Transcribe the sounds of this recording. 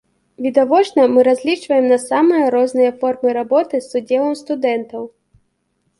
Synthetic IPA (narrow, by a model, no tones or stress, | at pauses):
vʲid̪avɔt͡ʂnɐmɨɾazʲlʲit͡ʂvɐjɛmnɐsamɨjɐɾɔznɨjɐfɔrmɨɾabɔt̪ɨsːud͡zʲɛlˠɐmst̪ud̪ɛnt̪ɐw